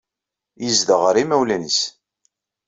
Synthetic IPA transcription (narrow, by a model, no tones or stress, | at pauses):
jəzd̪əʁəɾimæwlænəs